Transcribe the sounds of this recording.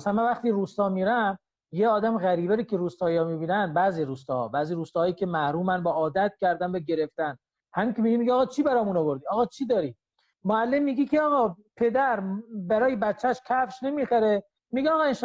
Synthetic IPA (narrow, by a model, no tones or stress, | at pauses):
sæmænvæχt̪iːɾuːst̪ɒːmiːɾæm | jeɒːd̪æmɣæɾiːbæɾikʰeɾuːst̪ɒːjɒːmibiːnænd̪bæːziːɾuːst̪ɒhɒ̰bæːziːɾuːst̪ɒːɒːjiːkʰemæɾuːmænbæɒːd̪æt̪̚cʲʰæɾd̪ænbæɟe̞ɾe̞ft̪æn | hæmiːkʰʲemiɡimiɟiɒːɣɒːt͡ʃʰiːbæɾɒːmunovoɾd̪iɒːɣɒːt͡ʃʰiːd̪ɒːɾi | moælːe̞mːiɡikʰeɒɣɒːpʰe̞d̪æɾbæɾɒːjebæt̪t͡ʃːæʃcʲʰæfʃne̞miːxæɾe | miɡiɒːɣɒenʃ